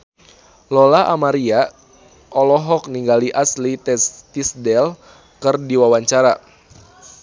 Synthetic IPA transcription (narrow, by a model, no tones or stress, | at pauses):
lɔlaʔamaɾia | ʔɔlɔɦɔk̚niŋɡaliʔaslit̪ɛst̪isdɛl | kɨrdiwawaɲt͡ʃaɾa